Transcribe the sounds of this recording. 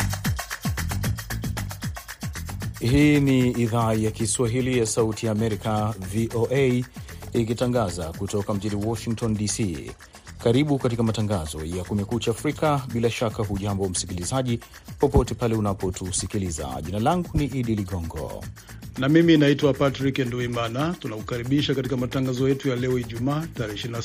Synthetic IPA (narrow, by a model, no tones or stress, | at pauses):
hiːniːðaːjakiswaɦilijasautijaːmɛɾikaviʔoʔe | ik̬itaŋɡazakutɔkam̩ʄiniwɔʃiŋk̚tɔndisiː | kaɾiɓukat̬ikamataŋɡazɔ̰jakumɛkuːt͡ʃaːfɾikaɓilaʃakaɦuʄambɔm̩sikilizaʄi | pɔpɔtɛpalɛunapɔtʰusikiliza̰ʄinalaŋɡuniʔiɗiliɠɔŋɡɔ̰ | namiminaitwapatɾikɛnduimanatunakukaɾiɓiʃakatikamataŋɡazɔjɛtujalɛɔiʄumaːtaɾɛiʃiɾina